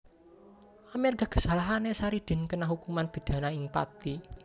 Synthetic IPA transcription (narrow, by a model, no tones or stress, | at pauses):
amɛrɡa̤ɡ̥ə̤̥sa̤laɦanesaɾid̪̥e̤nkənaɦukumanb̥i̤d̪̥ä̤naɪŋpa̰t̪i